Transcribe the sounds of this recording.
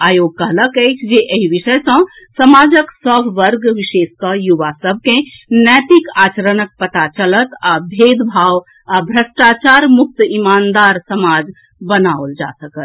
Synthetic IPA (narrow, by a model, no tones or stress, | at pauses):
aːjoɡ̚kəɦləkəjt͡ʃʰd͡ʒeʔəɦiʋiʃəjsə̃ | səmad͡ʒəksəbʱʋəɾɡʋiʃeskəjuʋasəb̚ʱkẽnɛt̪ikaːt͡ʃəɾənək̚pət̪at͡ʃələt̪abʱed̪bʱaw | abʱɾəsʈat͡ʃaɾmuk̚t̪imand̪aɾsəmad͡ʒ | bənaold͡ʒa̰səkət̪